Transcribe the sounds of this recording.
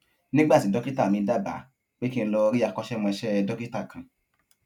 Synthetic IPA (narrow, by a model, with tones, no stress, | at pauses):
nĩ˦ɡ͡ba˦˨ti˨dɔ˦ki˦ta˦˨mĩ˧da˦˨ba̰˨˦ | k͡pe˦ki˦n̩˧lɔ˧ɾi˦a˧˨kɔ˧ʃɛ˦˨mɔ̃˧ɛ˧ʃɛ˦˧dɔ˦ki˦ta˦˨kã˨